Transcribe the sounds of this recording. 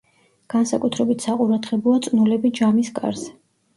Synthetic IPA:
ɡ̥ansakʼut̪ʰɾɛbit̪ʰsaqʼuɾad̪ʁɛbɔat̪sʼnulɛbid͡ʒamiskʼa̰ɾzɛ

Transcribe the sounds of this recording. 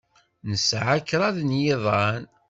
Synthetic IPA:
nəsʕakːɾˤɑðnjɪðˤɑn

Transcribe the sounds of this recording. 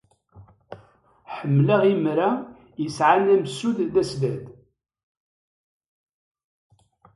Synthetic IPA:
ħəmːlaʁimɾæ | jəsʕanæmsːuððæsvæd̪

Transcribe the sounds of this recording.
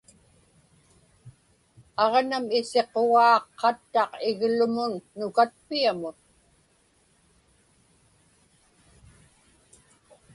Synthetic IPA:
ɑʁnamɪse̞qoɣɑːqːɑt̪ːɑqɪɣlʊmʊnːʊkat̪̚piamʊn

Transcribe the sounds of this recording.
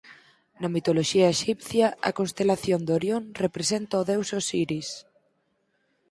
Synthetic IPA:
nɐmit̪oloʃiɐeʃipθjɐɐ̰konst̪elaθjond̪oɾjonrepɾesent̪aoðewsosiɾis

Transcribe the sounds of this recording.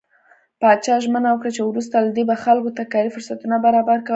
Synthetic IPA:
pɑt͡ʃɑʒmənawəkɽat͡ʃewɾus̬t̪alad̪ebaxalkot̪akɑɾifʊɾsat̪unabaɾɑbaɾkawə

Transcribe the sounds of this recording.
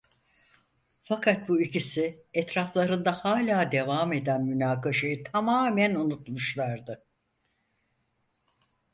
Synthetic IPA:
fakʰat̪̚buicisiɛt̪ɾaflˠaɾɯnd̪ahaːlʲaːd̪e̞vaːme̞d̪ænmynaːkaʃajɯt̪ʰamaːmænunut̪muʃlˠaɾd̪ɯ

